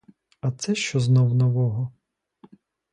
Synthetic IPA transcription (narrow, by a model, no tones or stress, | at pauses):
ɐt̪sɛʃt͡ʃɔznɔwnɔʋɔɦɔ